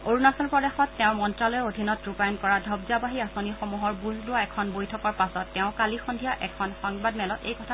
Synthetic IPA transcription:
oɹunasɔlpɹɔdexɔtːɛʊ̃mɔntɹalɔjɛodʱinɔtɹupajɔnkɔɹadʱɔbzabaɦiasonixomuɦɔɹbuzlʊaɛkʰɔnbojtʰɔkɔɹpasɔtːɛʊ̃kalixɔndʱijaʔɛkʰɔnxɔŋbadmɛlɔtḛjkɔtʰa

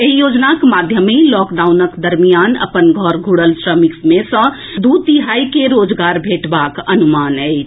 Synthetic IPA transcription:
eɦijod͡ʒnakmad̪ʱjəmelɔkɖaunəkd̪əɾmijanə̰pənɡʱəɾɡʱuɽəlsɾəmiksmesə̃ | d̪ut̪iɦaikeɾod͡ʒɡaɾbʱeʈbakənumanəɪt͡ʃʰ

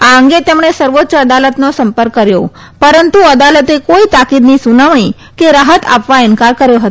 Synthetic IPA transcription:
aəŋɡet̪emɽ̃esəɾʋot̪ːt͡ɕəəd̪alət̪nosəmpəɾkːəɾjo̰ | pəɾənt̪uəd̪alət̪ekoit̪akid̪niːsunaʋɳ̃ĩ | keɾaɦət̪ʰa̰pʋainkaɾkəɾjoɦət̪o

